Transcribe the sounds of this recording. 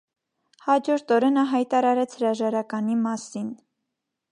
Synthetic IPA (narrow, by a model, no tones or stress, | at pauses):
hɑd͡ʒɔɾt̪ɔɾɛnəɦɑjt̪ɑɾɑɾɛt͡sʰhəɾɑʒɑɾɑkɑnimɑsin